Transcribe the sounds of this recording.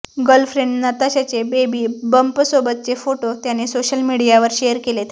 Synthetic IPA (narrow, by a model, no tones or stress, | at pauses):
ɡəlfɾeɳɖnət̪aɕat͡sebebiːbəmpəsobət̪̚t͡sefoʈot̪janesoɕəlmiɽijaʋəɾɕejəɾkelet̪ʰ